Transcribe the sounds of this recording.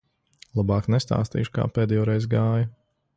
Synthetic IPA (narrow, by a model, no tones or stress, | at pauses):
lˠabɑːknɛst̪a̰ːst̪ḭːʃu̥ka̰ːpɛːd̪ɛjɔːɾɛjzɡaːjɐ